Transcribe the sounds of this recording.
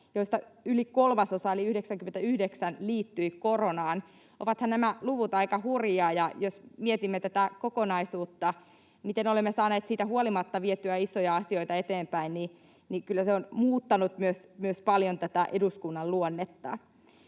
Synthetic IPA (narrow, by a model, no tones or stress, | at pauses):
joist̪ɑylikolmɑsosɑeliyhdeksæŋkyment̪æyhdeksænliːt̪ːyikoronɑːn | o̰ʋɑt̪hɑnnæmæluʋut̪ɑikɑhurjɑːjɑjosmiet̪imːet̪æt̪ækokonɑisuːt̪ːɑ | mit̪enolemːesɑːneːt̪siːt̪æhuolimɑt̪ːɑʋiet̪yæisojɑɑsio̞it̪ɑet̪eːmpæinni | nikylːæseonmuːt̪ːɑnut̪myøsmyøspɑljont̪æt̪æʔeduskunːɑlluonːet̪ːɑ̰